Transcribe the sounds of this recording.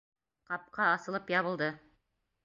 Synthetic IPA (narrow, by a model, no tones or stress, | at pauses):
qɑp̚qɑːsɤ̆lˠɤpjɑβɤ̆lˠd̪ɤ